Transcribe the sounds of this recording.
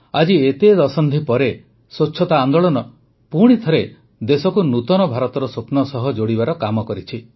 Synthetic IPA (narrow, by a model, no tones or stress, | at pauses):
ad͡ʒiet̪ed̪ɔsɔnd̪ʱʰipɔɾe | soːʃʰɔt̪aːnd̪ɔɭɔnɔ | puɽ̃it̪ʰɔɾe | d̪esɔkunut̪ɔnɔbʱaɾɔt̪ɔɾɔsoknɔsɔɦɔd͡ʒoɽibaɾɔkamɔkɔɾit͡ʃʰi